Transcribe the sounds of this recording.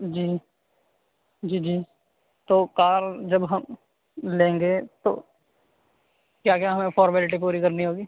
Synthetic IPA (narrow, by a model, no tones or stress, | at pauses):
d͡ʒiː | d͡ʒiːd͡ʒiː | t̪oːkaːɾd͡ʒəbɦɐm | lẽːŋɡet̪o̰ː | kjaːkjaɦɐmẽpʰɔːɾmɛːlɪʈ̬ip̬uːɾikɐɾniɦoːɡiː